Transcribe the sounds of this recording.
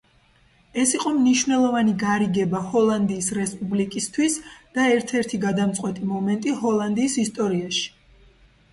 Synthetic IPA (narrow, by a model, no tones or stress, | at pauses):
ɛsiqʼɔmniʃvnɛlˠɔvaniɡaɾiɡɛbahɔlˠand̪iːsɾɛspʼublikʼist̪ʰwisd̪̥aɛɾt̪ʰɛɾt̪ʰiɡad̪amt̪sʼqʼwɛt̪ʼimɔmɛnt̪ʼiɦɔlˠand̪iːsist̪ʼɔɾiaʃi̥